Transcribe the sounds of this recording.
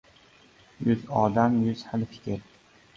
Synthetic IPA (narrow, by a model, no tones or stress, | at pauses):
jʊzɒd̪amjʊz̥halfɪ̥kʲʰɪɾ